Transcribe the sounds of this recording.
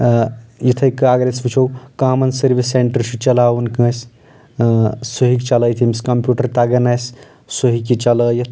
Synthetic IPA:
jɐt̪ʰɐjkɨaːɡɾesbut͡ʃʰowkaːmɐnsɐɾbisːeɳʈəɾsit͡ʃɐlaːwunkɐ̃s | suɦikt͡ʃɐləjt̪ʰimskɐmpjuːʈɐɾt̪aɡɐnajs | soɦikit͡ʃɐləjɐt̪ʰ

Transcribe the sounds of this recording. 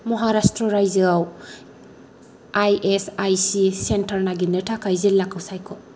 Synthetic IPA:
mɔɦaɾastɾɔɾajzɯaw | ajʔesajsisentʰɐɾnaɡinɯtʰakʰajzilakʰːawsajkʰɔ

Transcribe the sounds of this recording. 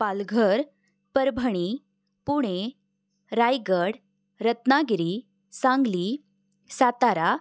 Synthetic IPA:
palɡʱəɾ | pəɾbʱəɽ̃i | puɽ̃e | ɾajɡəɽ | ɾət̪naɡɾi | sãŋɡli | sat̪aɾa

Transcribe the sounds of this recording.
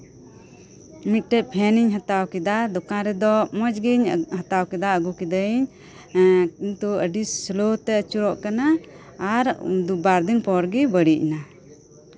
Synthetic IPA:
mit̪̚ˀʈɛʔ̚pʰɛniɲɦat̪awkɛd̪ad̪ɔkãɾɛd̪ɔmɔd͡ʒɡiɲɦat̪awkɛd̪aəɡukɛd̪əiɲ | int̪uəɖislot̪ɛt͡ʃuɾɔʔkanaː | ɾ̰d̪ubaɾd̪inpɔɾɡibəɽiʔḭna

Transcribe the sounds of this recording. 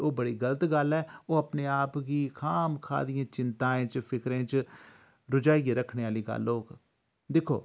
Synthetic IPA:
oːbəɽiːɡələt̪ɡəlɛːoːəpneːaːpɡiːkʰaːmkʰa̰ːd̪ɪjãːt͡ʃɪnt̪ãːẽːt͡ʃpʰɪkɾẽːt͡ʃ | ɾʊd͡ʒaːiːeːɾəkʰːneːaːliːɡə̰loːk | d̪ɪkʰo̰ː

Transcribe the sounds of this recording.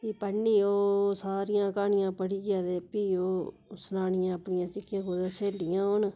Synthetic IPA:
iːpəɳːiːoːsaːɾɪjãːkaːɳɪjãːpəɽiːɡɪjaːd̪eːpiːoː | snaːnɪjãːəpːɳɪjãːt͡ʃɪkːjãːkoːd̪eːseːlɖɪjãːoːn

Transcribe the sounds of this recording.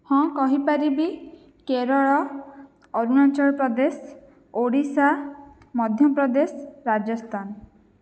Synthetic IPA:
hɔ̃kɔɦipaɾibi | keɾɔɭɔ | ɔɾunat͡ʃɔɾpɾɔd̪es | oɽisa | mɔd̪ʱjɔpɾɔd̪esɔɾad͡ʒɔst̪ʰan

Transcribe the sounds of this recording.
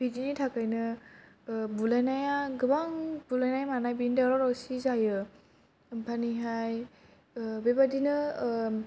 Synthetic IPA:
bidinitʰakajnɯ | bulajnajaɡɯbaŋbulajnajamanajbindaɾɔɾɔsizajɯ | bʰaniɦaj | bebadinɯ

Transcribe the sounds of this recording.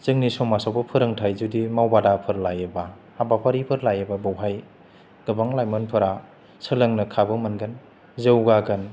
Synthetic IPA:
zɯŋnisɔmasawbɯpʰɯɾɯŋtʰajzudimawbadapʰɯɾlajɯba | abapʰaɾipʰɯɾlajababawɦaj | ɡ̥ɯbaŋlajmɯnpʰɯɾa | sɯlɯŋnɯkʰabɯmɯnɡan | zewɡaɡɯn

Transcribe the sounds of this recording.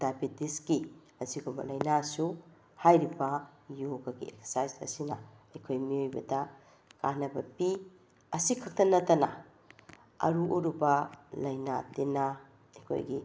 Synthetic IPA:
d̥abitiskimɐsiɡobɐ̰lɐjnasu | hajɾibɐjoɡɐɡḭḛkse̥sajzɐ̰sinɐ̰ɐjkʰojmiojbɐdɐ | kanɐbɐpi | ɐsikʰɐk̚tɐnɐtːɐnɐ̰ | ɐ̰ɾuʔoɾubɐlɐjnatina | ɐjkʰo̰jɡi

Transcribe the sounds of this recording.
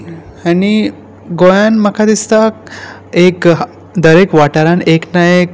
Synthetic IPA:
ani | ɡojanməkʰad̪ist̪ak̚ | ek | d̪əɾekʋaʈaɾãneknajek

